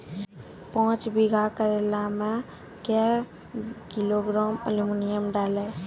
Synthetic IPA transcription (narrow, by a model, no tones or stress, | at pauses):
pɔ̃t͡ʃbiɡʱakəɾelame | kɛ | kiloɡɾamə̰limunijəmɖalɛ